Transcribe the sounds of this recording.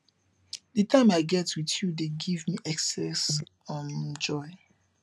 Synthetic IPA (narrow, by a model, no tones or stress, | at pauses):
dɨtʰãɪ̃maɪɡɛtwiðjudeɡivmiʔɛksɛsɔ̃nd͡ʒɔɪ